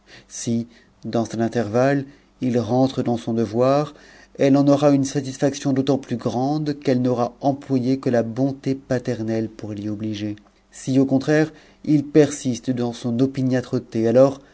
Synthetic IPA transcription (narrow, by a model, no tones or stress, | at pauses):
si | d̪ɑ̃sɛnɛ̃t̪ɛʁval | ilʁɑ̃t̪χəd̪ɑ̃sɔ̃d̪əvwaʁ | ɛlɑ̃nɔʁaynsat̪isfaksjɔ̃d̪ot̪ɑ̃plyɡʁɑ̃d̪kɛlnɔʁaɑ̃plwajekəlabɔ̃t̪epat̪ɛʁnɛlpuʁliɔbliʒe | siokɔ̃t̪χɛʁ | ilpɛʁsist̪d̪ɑ̃sɔ̃nɔpinat̪χɔt̪ealɔːʁ